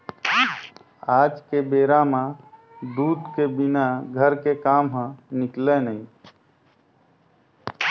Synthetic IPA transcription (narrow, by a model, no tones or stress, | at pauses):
aːd͡ʒkebeɾamã | d̪uːd̪kebinaɡʱəɾkekaːmɦə̃nɪklenəĩ